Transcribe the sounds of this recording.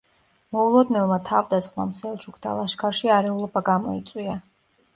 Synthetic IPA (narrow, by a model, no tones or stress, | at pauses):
mɔulˠɔd̪nɛlˠmat̪ʰavd̪asχma̰msɛlˠt͡ʃʰukʰd̪ʰa̰lˠaʃkʰaɾʃiaɾɛulˠɔbaɡamɔ̰it̪sʼwia